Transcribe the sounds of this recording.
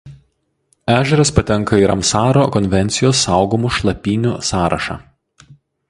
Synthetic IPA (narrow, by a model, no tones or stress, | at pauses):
æːʒʲɛɾɐspɐt̪ʲɛŋˑkɐiɾɐ̰msɑːɾoːkɔnʲʋʲɛnʲt̪sʲɪjoːsːɑˑʊɡoːmuʃlˠɐpʲiːnʲuːsɑːɾʔɐ̰ʃɑ̰ː